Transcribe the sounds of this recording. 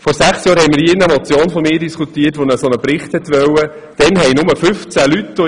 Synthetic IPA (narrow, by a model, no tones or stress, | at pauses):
fɔɾsæχsjɑːɾhɛjmɪɾjɪnɛmɔt͡sjoːnfɔmɪːdiskʰut̪iːtʋonəsɔnəpɾɪχthɛt̪ʋœwə | d̥ɛnɦɛɪnʊməfʏft͡sælyt̪ːo